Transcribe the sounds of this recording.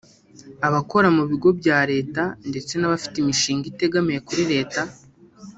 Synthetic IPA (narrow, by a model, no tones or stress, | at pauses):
aβako̞ɾamuβiɡo̞bjaːɾe̞ːtande̞t͡se̞naβafi̥timiʃiːŋɡite̞ɡamijekuɾiɾe̞ːta